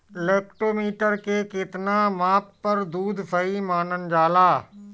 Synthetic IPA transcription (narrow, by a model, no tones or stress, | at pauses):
leːk̚ʈoːmiːʈəɾkeːkeːt̪ɪnãːmaːppɐɾd̪uːd̪ʱpʰɐimaːnənd͡ʒaːlaː